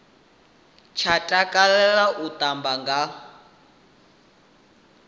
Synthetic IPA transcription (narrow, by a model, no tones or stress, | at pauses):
t͡ʃʰatʼakʼalɛlaʔut̪ambaŋɡa